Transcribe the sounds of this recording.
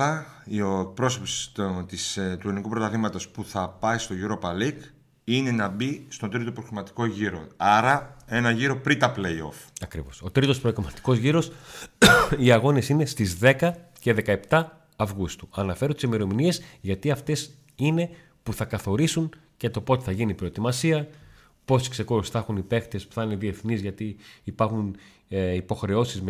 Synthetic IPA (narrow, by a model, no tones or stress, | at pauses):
ɐioek̚pɾo̞sopst̪ist̪uenikupɾo̞t̪ɐθimɐt̪o̞spuθɐpɐist̪o̞ʝuɾo̞pɐlik | ine̞nɐbist̪od̪ɾit̪opɾokimɐt̪i̥ko̞ʝiɾo̞̰ɐɾɐe̞nɐʝiɾo̞pɾit̪ɐplejo̞̰fɐkɾḭvo̞̰so̞t̪ɾit̪o̞spɾoekomɐt̪i̥ko̞zʝiɾo̞s | iɐɣo̞ne̞sine̞st̪izðe̞kɐce̞ðe̞kɐe̞pt̪ɐː | vɣust̪u̥ɐnɐfe̞ɾut̪isimeɾo̞minie̞sʝɐt̪iɐft̪e̞s | ine̞ | puθɐkɐθo̞ɾisun | cet̪o̞po̞t̪eθɐʝinipɾo̞et̪imɐsiɐ | po̞si̥kse̞koɾusθɐxunipe̞xt̪e̞spu̥θɐneðie̞θnizʝɐt̪iːpɐɾxun | ipo̞xɾe̞o̞sizm